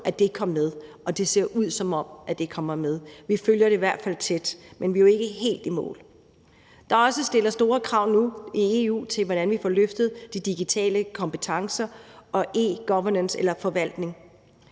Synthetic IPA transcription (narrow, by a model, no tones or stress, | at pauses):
ʔæd̥e̝kʰɒ̽mmeð̞ˠ | ɒ̽d̥e̝se̝ɐ̰ʔuð̞̰ˠsɒ̽mɒ̽m̰æd̥e̝kʰɒ̽m̰ɐmeðˠʋiføljɐɾ̥e̝iʋæɐ̰d̥fæl̰t͡sʰed̥menʋioe̝ɡ̥əɦe̝̰ːld̥imɔ̰̽ːl | d̥ɑ̈ɒ̽səsd̥e̝lɐsd̥o̝ːɐkʰʁɑ̈ʊ̰nuie̝ṵːt͡sʰe̝lʋɒɾ̥ænʋifɒ̰ːløfd̥ð̞̩ˠd̥id̥iɡ̥it͡sʰɛ̰ːləkʰɒ̽mpət͡sʰɑ̈ŋsɐɒ̽ʔe̝̰ːɡ̥ɒʋɐnənselɐfɒ̽ʋæl̰d̥ne̝ŋ